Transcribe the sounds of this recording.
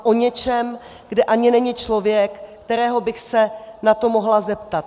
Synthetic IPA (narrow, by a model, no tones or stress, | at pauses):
ʔo̞ɲɛt͡ʃɛm | ɡdɛʔaɲɪnɛɲɪt͡ʃlo̞vjɛkːt̪ɛɾɛːɦo̞bɪxsɛnat̪o̞moɦlazɛpt̪at̪